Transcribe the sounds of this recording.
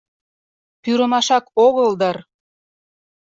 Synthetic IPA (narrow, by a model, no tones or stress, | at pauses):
pyɾə̆mɑʃɑkoɣəld̪ɑr